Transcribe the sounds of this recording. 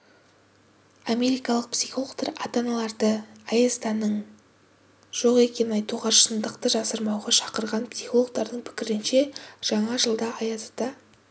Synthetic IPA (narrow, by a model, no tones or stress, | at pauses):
amʲe̞ɾijkɑlˠəq̚psiχolˠoɡt̪ɑɾɑt̪ɑnɑlˠɑɾd̪əɑjest̪ɑnəɴ | ʒ̥o̞qe̞kʲe̞nnɑjt̪uʁɑʃənd̪əqt̪əʒɑsəɾmɑwʁɑʃɑ̥qəɾʁɑnpsiχolˠo̞ɡ̚t̪ɑɾd̪əɴpʰɪ̥kʲɪɾɪnʃe̞ʒ̥ɑɴɑʒəlˠd̪ɑɑjɑt̪ə̥t̪ɑ